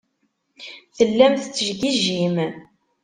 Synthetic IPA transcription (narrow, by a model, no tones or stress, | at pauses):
θəlːæmθt͡sːəʒɡiʒːim